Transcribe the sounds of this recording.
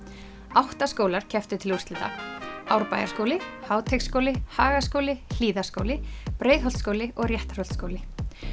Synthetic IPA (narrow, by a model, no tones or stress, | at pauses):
awht̪askoːwlaɾ̥cʰɛft̪ʏt̪ʰɪlurst̪ɪt̪a̰awɾpa̰ːjaɾskoːwlɪhaːwt̪ʰejkskowlɪhaːɣaskowlɪl̥iːðaskoːwlɪpɾeːjðɦɔlt̪skoːwlɪʔɔɣrjɛht̪r̥ɔl̥t̪skowlɪ